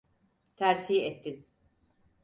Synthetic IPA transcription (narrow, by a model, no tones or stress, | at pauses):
t̪ʰæɾfiːɛt̪ʰːin